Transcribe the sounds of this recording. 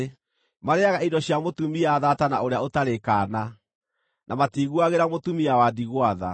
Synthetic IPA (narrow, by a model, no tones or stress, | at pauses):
maɾeaɣaidɔɕjamotumiaðatanaoɾeaotaɾekaːna | nʔamatiːɣuaɣeɾamotumiawadiɣwaða̰